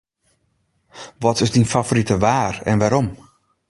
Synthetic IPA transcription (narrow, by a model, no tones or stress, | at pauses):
ʋɔtɪzdinfavoɾitəʋaːrɛ̰nʋaːɾɔm